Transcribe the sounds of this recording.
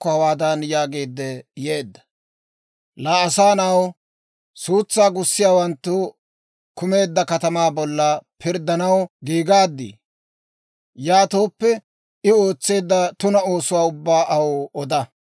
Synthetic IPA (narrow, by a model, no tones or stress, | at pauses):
kːɔhɐwaːd̪ɐnjaːɡeːd̪ːɛje̞ːd̪ːɐ̥ | laːɐsaːnɐw | suːt͡sːaːɡʊsːɪjaːwɐnt̪ːʊ | kʊme̞ːd̪ːɐkɐt̪ɐmaːbɔlːɐpʰɪɾd̪ɐnɐwɡiːɡaːd̪ːḭ | jaːt̪o̞ːpːɛ | ɪo̞ːt͡sːe̞ːd̪ːɐt̪ʊnɐo̞ːsʊwaːʊbːaːʔɐwoʔɔd̪ɐ